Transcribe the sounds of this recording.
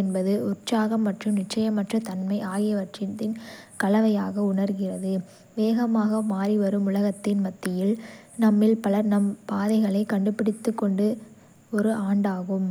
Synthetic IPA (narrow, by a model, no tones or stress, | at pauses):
ɛnbɐðɯʊrt͡ʃaːɣɐmːɐʈrɯmnɪʈt͡ʃːɐjɐmːɐʈrɐt̪ɐnmɐɪaːɣɪjɐʋɐʈrɪnt̪ɪnkɐlɐʋɐjaːɣɐʊɳɐɾɣɪrɐðɯ | ʋeːɣɐmaːɣɐmaːriʋɐɾɯmʊɭɐɣɐt̪ːɪnmɐt̪ːɪjɪlnɐmːɪlpɐlɐɾnɐmpaːðɐɪɣɐɭɐɪkɐɳɖɯpːɪɽɪt̪ːɯkːɔɳɖɯ | ɔɾɯʔaːɳɖaːɣɯm